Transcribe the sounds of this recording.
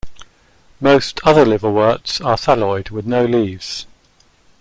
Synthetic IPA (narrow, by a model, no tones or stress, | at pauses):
məʊstʰʌðəlɪvəwɜˑtsəsalɔɪd̚wɪðnəʊliːvz̥